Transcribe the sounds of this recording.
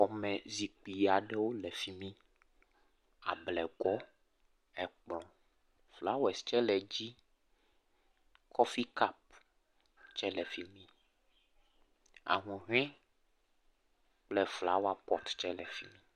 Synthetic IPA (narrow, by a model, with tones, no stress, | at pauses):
ɔ˨mɛ̃˨zi˨k͡pi˨ja˨ɖɛ˦wo˦lɛ˨fi˦mĩ˦ | a̰˨blɛ˨ɡɔ˦ | ɛ˨k͡plɔ̃˨ | fla˨˦wo˦ɛ˨st͡ʃɛ˦lɛ˨d͡ʑi˦ | kʰɔ˦fi˦ka˦p̚ | t͡ʃɛ˦lɛ˨fi˦mĩ˦ | a̰˨ŋũ˨ɦĩ˦ | k͡plɛ˨fla̰˨˦wa˨pɔ˦t̪t͡ʃɛ˦lɛ˨fi˦mĩ˦